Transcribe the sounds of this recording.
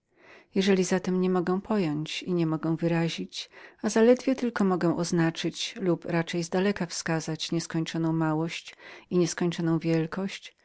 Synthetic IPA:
jɛʐɛlʲizat̪ɛmɲɛmɔɡɛ̃w̃pʰɔjɔɲt͡ɕiɲɛmɔɡɛw̃vɘɾaʑit͡ɕazalɛd̪vʲjɛt̪ɘlkɔmɔɡɛw̃ʔɔznat͡ʂɘt͡ɕlupɾat͡ʂɛjzd̪alɛkafskazat͡ɕɲɛskɔɲt͡ʂɔnɔ̃w̃mawɔɕt͡ɕiɲɛskɔɲt͡ʂɔnɔ̃w̃vʲjɛlkɔɕt͡ɕ

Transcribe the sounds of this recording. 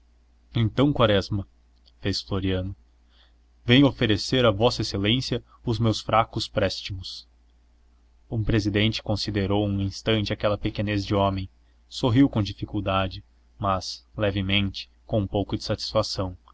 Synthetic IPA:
ẽnt̪ɐ̃w̃kwaɾɛzmɐ | fesfloɾiɐ̃nʊ | vẽjofeɾeseɾɐvɔsɐeselẽsjɐ | ʊzmewsfɾakʊspɾɛst͡ʃimʊs | ũpɾezid̪ẽnt͡ʃɪ̥kõsid̪eɾowũĩst̪ɐ̃nt͡ʃɪakɛlɐpekenezd͡ʒɪɔ̃mẽj̃ | soɦiwkõd͡ʒifikuwd̪ad͡ʒɪ | mɐz̥lɛvɪmẽnt͡ʃɪ̥ | kõũpowkʊd͡ʒɪ̥sat͡ʃi̥sfasɐ̃w̃

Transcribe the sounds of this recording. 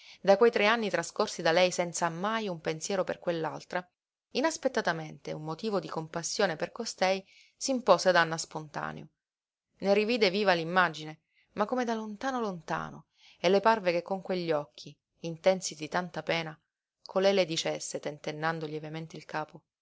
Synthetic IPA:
d̪akwejt̪ɾeanːit̪ɾaskorsid̪alɛjsɛnt̪samajumpensjɛːɾopḛrkwelːa̰lt̪ɾa | inaspet̪ːat̪ament̪eumːot̪iːvod̪ikompasːjoːneperkost̪ɛj | simpoːsead̪anːaspont̪a̰ːnḛo | neɾiviːd̪eviːvalimːad͡ʒine | makːomed̪alont̪aːnolont̪a̰ːno̰ | elːeparvekekːoŋkweʎːɔkʰːiː | nt̪ɛnsid̪it̪ant̪apɛːna | kʰolɛjled̪it͡ʃesːet̪ent̪enːand̪oljɛvement̪eilkaːpo

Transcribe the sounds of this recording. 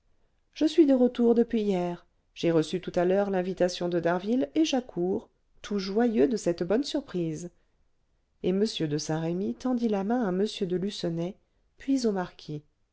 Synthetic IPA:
ʒ̥əsɥid̪əʁət̪uʁd̪əpɥijɛːʁ | ʒ̥eʁəsyt̪ut̪alœʁlɛ̃vit̪asjɔ̃d̪əd̪aʁvileʒakʰuːʁ | t̪ʰuʒwajød̪əsɛt̪bɔnsyʁpχiz | eməsjød̪əsɛ̃ʁemit̪ɑ̃d̪ilamɛ̃aməsjød̪əlysɔnɛ | pɥizomaʁkʲʰi

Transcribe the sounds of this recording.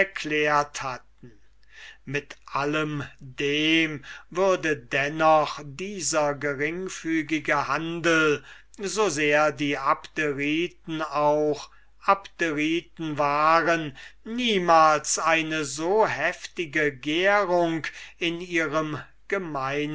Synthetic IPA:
ɛɐkʰleːɐthat̚n̩ | mɪtʔaləmdeːmvʏɐdədɛnɔχdiːzɐɡəʁɪŋfyːɡɪɡəhandl̩ | zozeːɐdiːapteʁiːtn̩aʊχ | ʔaptəʁiːtn̩vaːʁənːiːmaːlsʔaɪnəzoːhɛftɪɡəɡeːʁʊŋkɪniːʁəm | ɡ̥əmaɪn

